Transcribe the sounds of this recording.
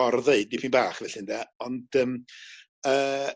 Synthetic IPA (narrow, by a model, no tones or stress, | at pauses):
ɔrðeɨdipʰiːnbaːχvɛɬɪndaɔndəːm | əː